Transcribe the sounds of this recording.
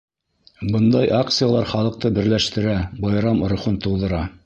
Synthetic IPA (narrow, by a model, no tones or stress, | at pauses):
bɤnd̪ɑjʔakt̪sɨjalˠɑɾχɑlˠɤ̆q̚t̪ɤbɘ̆ɾlæʃt̪ɘ̆ɾæbɑjɾɑm̆ɾŏχunt̪ŏwðɤ̆ɾɑ